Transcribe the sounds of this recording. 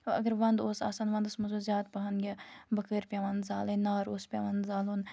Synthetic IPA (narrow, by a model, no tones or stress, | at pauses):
ɐ̰ɡəɾʋɐ̃nd̪oːsa̰ːsanʋɐ̃nd̪osmɐzozʲjaːd̪̚pɐɦɐnɡʲɐbɐkəːɾpʲjaʋɐnd̪zaːlenaːɾoːspʲaːʋɐnd̪zaːlon